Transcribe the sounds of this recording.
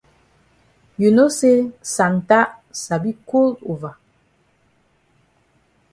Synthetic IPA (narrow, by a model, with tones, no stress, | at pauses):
ju˨no˦se˦sa˨n˨ta˦ʔsa˨bi˦ko˦lu˨va˨